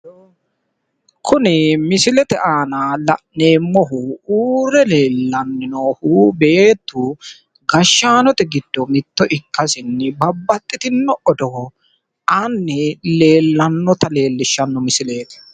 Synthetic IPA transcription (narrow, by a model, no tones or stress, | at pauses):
kʰʊnɪmɪsɪlɛt̪ɛʔaːnalɐʔne̞ːmːɔɦuuːɾɛle̞ːlːɐnːɪnoːhube̞ːt̪ːu | ɡɐʃːaːnɔt̪ɛɡɪd̪̥ːɔmɪt̪ːɔʔɪkːɐsɪnːɛbɐbːɐt̪ʼːɪt̪ɪnːɔʔɔd̪ɔ | ɐnːɪle̞ːlːɐnːɔt̪ɐle̞ːlːɪʃːɐnːɔmɪsɪle̞ːt̪